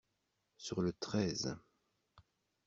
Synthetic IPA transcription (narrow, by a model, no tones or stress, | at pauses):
syʁlət̪χɛz